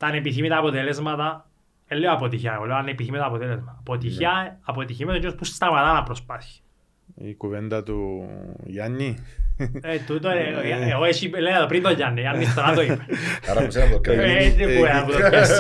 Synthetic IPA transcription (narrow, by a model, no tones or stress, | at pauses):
t̪ɐnepiθimit̪ɐːpot̪elezmɐt̪ɐ | elːeoɐpot̪içɐeoleoɐnepiθimit̪ɐpot̪elezmɐt̪ɐːpot̪içɐːpot̪içimesocːospusst̪ɐɣmɐt̪ɐnɐpɾospɐθçi̥ | ḭkuvend̪ɐt̪u | ʝɐnːi | et̪ut̪oeeoesielːeeðopɾint̪oʝɐnːeiɐnːit̪oɾɐt̪oipeɐɾɐpuseɐpoket̪ɾipuenɐput̪oɐ